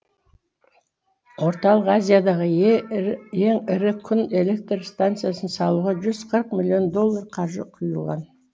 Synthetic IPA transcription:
wo̞ɾt̪ɑlˠəqazʲijad̪ɑʁə | e̞ŋɪɾɪkʲʰʏne̞le̞k̚t̪rst̪ant̪sɨjasənsɑlˠuʁɑʒʏzqʰəɾəqmilʲˠio̞nd̪o̞lˠːarqʰɑʒə̰qʰujəlˠʁɑ̰n

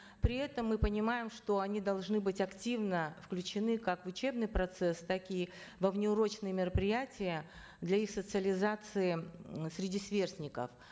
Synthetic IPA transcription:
pɾʲɪɛt̪əmːɨpənʲɪmajɪmʂt̪o̞ɐnʲid̪ɐlˠʐnɨbɨtʲɐktʲivnəfklʲʉt͡ɕɪnɨkakvʊt͡ɕe̞bnɨjpɾɐt̪sɛst̪akʲɪvəvnʲɪʊɾo̞t͡ɕnɨjəmʲɪɾəpɾʲɪjætʲɪjə | d̪lʲɐixsət̪sɨəlʲɪzat̪sɨɪsʲɾʲɪdʲisvʲe̞rsʲnʲɪkə̰f

